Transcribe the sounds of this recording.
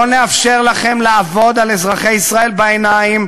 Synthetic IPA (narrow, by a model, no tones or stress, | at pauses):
oneafʃe̞ʁlaχe̞mlaːvo̞d̪alezʁaχejisʁae̞lbaenaim